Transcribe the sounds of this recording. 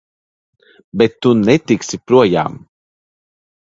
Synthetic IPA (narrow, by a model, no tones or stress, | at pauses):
bɛt̪ːunɛt̪iksipɾuɔja̰ːm